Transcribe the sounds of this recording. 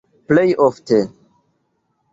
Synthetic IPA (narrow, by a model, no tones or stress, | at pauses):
plejʔoftʰe